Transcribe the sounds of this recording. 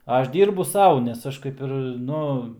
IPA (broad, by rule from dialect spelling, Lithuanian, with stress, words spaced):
ˈɐʃ ˈdʲiːrbʊ ˈsɐʊ nʲɛs ˈɐʃ kɐɪp ˈɪr ˈnʊ